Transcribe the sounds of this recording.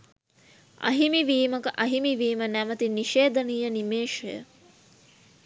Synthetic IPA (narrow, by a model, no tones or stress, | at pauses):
ɐ̰ɦimiʋiːməkəʔɐɦimiʋiːmənæmət̪iniʃeːd̪ənijənimeːʃɐjə̰